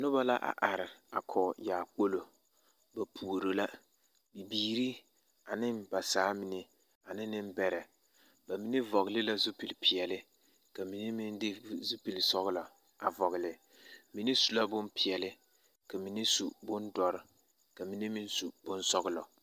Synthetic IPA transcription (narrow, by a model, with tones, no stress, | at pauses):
nʊ˦ba˦la˦ʔa̰˨ʔa˨ɾɪ˨a̰˨kʰɔ˨jaː˨k͡po˦lo˨ | ba˨pʰu˨o˨ɾo˨la˦ | bi˨biː˦ɾi˦ | a˨nɪ˦mba˨saː˨˦mi˨nɪ˦ | a˨nɪ˦nɪ˦mbɛ˦ɾɛ˨ | ba˨mi˦nɪ˦vɔ˨ɣɪ˨lɪ˦la˦zʊ˦pi˨lpʰi˨jɛ˨lɪ˦ | ka˨mi˨ni˦mɪ˦ndɪ˦zu˦pi˨lsɔ˦ɣɪ˦lɔ˨ | a˨vɔ˨ɣɪ˨lɪ˨ | mi˨ni˦su˨la˦bʊ˦mpɪ˨ɛ˨lɪ˦ | ka˨mi˨nɪ˦sṵ˨bʊ˦ndɔ˨ɾɪ˦ | ka˨mi˨ni˦mɪ˦nsu˨bʊ˦nsɔ˦ɣɪ˦lɔ̰˨